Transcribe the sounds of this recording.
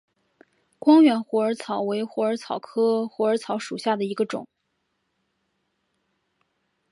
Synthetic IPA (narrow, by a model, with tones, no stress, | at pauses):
kwɑ˥ŋɥɛ˧˥nxwɔ˧˥ə˞˧˥t͡sʰɑ˨˩ʊwe˧˥ɪxwɔ˧˥ə˞˧˥t͡sʰɑ˨˩ʊkʰɤ˥xwɔ˧˥ə˞˧˥t͡sʰɑ˧˥ʊʂu˨˩ɕja˥˩d̪ə˩i˧˥ɡə˧ʈ͡ʂʊ̰˨˩˦ŋ